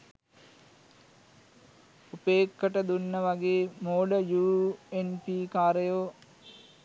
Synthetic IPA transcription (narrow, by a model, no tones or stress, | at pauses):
upeːkːəʈəd̪unːəʋaɡeːmoːɖəjuːenpiːkaːɾəjoː